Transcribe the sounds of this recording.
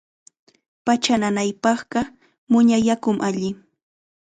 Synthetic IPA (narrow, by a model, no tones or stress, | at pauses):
pat͡ʃananajpɑχɢɑ | mʊɲajakʊmʔaʎɪ